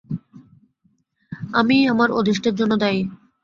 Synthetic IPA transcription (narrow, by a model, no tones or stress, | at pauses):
amiamaɾod̪iʃʈeɾd͡ʑonːod̪aj